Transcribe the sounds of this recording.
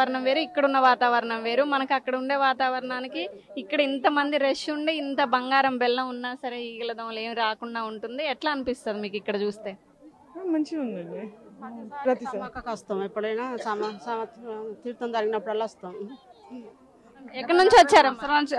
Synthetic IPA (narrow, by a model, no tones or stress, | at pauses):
ɐɾɐɳɐmʋe̞ːɾuikːɐɽunːɐʋaːt̪aːʋɐɾɐɳɐmʋe̞ːɾumɐnɐkuɐkːɐɽɐuɳɖe̞ːʋaːt̪aːʋɐɾɐɳaːnikiː | kːɐɽɐint̪ɐmɐnd̪iɾeʂuɳɖeint̪ɐbɐŋɡaːɾɐmbɛlːɐunːaːsɐɾeiːɡɐlɐd̪ɐmle̞ːmiɾaːkuɳɖaːuɳʈund̪iɛʈlaːɐnipist̪aːd̪imiːkikːɐɽɐt͡ʃuːst̪e̞ː | mɐɲt͡ʃiund̪ɐɳi | ɾɐt̪ikɐkɐst̪aːmipːuɽɐjnaːsaːmɐsaːmɐt̪iːɾt̪ond͡ʒ̪ɐɾɡinɐpːuɽɐlːaːst̪aːm | ɐɛkːɐɽɐnuɲt͡ʃiɐt͡ʃːaːɾɐmːɐɾt͡ʃ